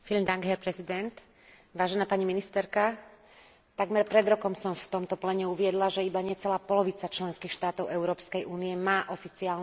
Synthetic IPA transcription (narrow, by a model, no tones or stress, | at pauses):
fiʎmd̪aŋɡɦɛɾpɾɛzid̪ɛnt̪ | ʋaːʒɛnaːpaɲiminist̪ɛɾka | t̪aɡmɛɾpɾɛd̪ɾɔkɔmsɔmft̪ɔmt̪ɔplɛɲɛuʋɪɛd̪laʒɛibaɲɛt͡sɛlaːpɔlɔʋit͡sat͡ʃlɛnskiːxʃt̪aːt̪ɔʊɛʊɾɔːpskɛjʔuːniɛmaːʔɔfit͡siaːln